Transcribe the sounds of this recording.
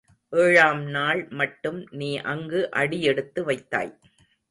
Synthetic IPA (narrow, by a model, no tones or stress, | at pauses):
ʔeːɻaːmnaːɭmɐʈːɯmniːʔɐŋɡɯʔɐɽɪjɛɽɯt̪ːɯʋɐɪt̪ːa̰ːj